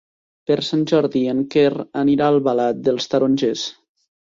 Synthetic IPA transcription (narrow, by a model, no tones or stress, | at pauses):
peɾsanʲʒɔɾðieŋkerəniɾaəlˠβalat̪̚d̪əlˠst̪aɾonʲʒes